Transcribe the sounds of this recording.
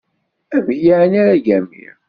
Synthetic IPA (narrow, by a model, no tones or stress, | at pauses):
ævjaʕnaɾaʝæmḭɾ